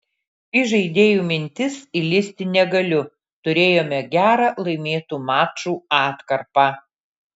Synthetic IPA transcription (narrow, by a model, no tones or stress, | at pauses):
iʒɐɪd̪ʲeːjuːmʲɪnʲt̪ʲɪsɪlʲɪsʲt̪ʲɪnʲɛɡɐlʲʊ | t̪ʊɾʲeːjoːmʲɛɡʲæːɾɑlˠɐɪmʲeːt̪uːmɑːt͡ʃuːɑːt̪kɐɾpɑː